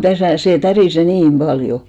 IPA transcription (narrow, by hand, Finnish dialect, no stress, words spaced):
tæsæˑ seˑ tæriˑse niːm b̥ɑljo